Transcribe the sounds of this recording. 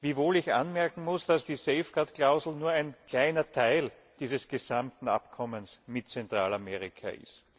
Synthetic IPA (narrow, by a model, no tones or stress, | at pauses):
viːvoːlɪçʔa̰nmɛɐkŋ̩mʊsd̥asd̥iːseɪfɡatklaʊzl̩nuːɐæɪnkʰl̥aɪnɐtʰaɪl | d̥iːzəsɡ̥ezamtn̩a̰pkʰɔmənsmɪtt͡sɛntʁ̥aːlameːʁɪkʰa̰ʔɪ̰st